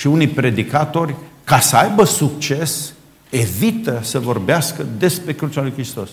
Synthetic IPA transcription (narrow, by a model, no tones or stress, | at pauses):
ʃiunijpɾe̞d̪ikat̪o̞rʲkasəajbəsuk̚t͡ʃe̞s | e̞vit̪əsəvo̞rbeaskəd̪e̞spɾe̞kɾut͡ʃalujkɾist̪o̞s